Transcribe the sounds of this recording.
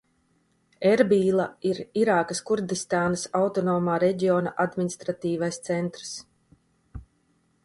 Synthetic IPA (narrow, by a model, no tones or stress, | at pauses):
ɛɾbiːlˠaiɾiɾaːkaskuɾd̪ist̪aːnasawt̪ɔnoːmaːɾɛɟiɔːnaʔad̪mʲinist̪ɾat̪iːvajst̪sɛnt̪ɾs